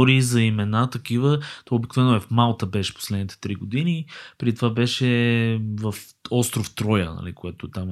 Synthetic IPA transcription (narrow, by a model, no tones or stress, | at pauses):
ɾizɐimɛnat̪ɐkivət̪ɔobiknovɛnʊɛfmalˠt̪əbɛʃɛ̥po̥slɛd̪nit̪ɛ̥t̪ɾiɡod̪inipɾɛd̪it̪ovabɛʃɛvəf | ɔst̪ɾoft̪ɾɔjə̰nɐ̰lḭkojat̪oɛt̪am